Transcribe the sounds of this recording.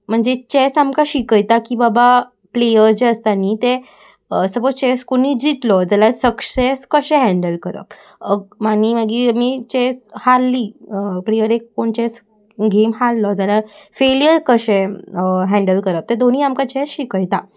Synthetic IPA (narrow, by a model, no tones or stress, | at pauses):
m̤əɳd͡zet͡ɕɛsamkaɕikəjt̪akiːbaba | plejəɾd͡ʑeəst̪aniːt̪e | əsəbot͡st͡ɕɛskoniːd͡ʑit̪lɔd͡zalasəkseskəɕɛ̃ɦɛ̃ɳɖəlkəɾə̰p | əɡmaniːməɡimiːt͡ɕɛshalːiːplejəɾekːoɳt͡ɕɛs | ɡemɦallɔd͡zalafeljəɾkəɕɛ̃ɦɛ̃ɳɖəlkəɾəp̚t̪ɛd̪on̤iːamkat͡ɕɛsɕikəjt̪a